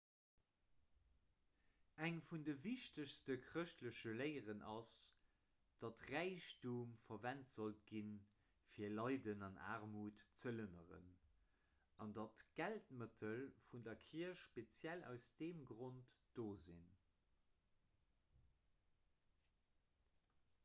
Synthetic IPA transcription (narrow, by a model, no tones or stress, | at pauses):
æŋfundəviʃtəɕstəkʰʁəʃtləʃələɪəʁənʔɑs | d̥ɑtʁæɪɕtuːmfɐvæntz̥olt̚ɡ̥in | fiːɐlɑɪdənɑna̰ːʁmuːtt͡sələnə̰ʁə̰n | ɑndɑtɡ̥æltmətʰəlfundɐkʰiɐʃʃpet͡sjælæ̰ʊsd̥eːmɡʁontd̥oːzin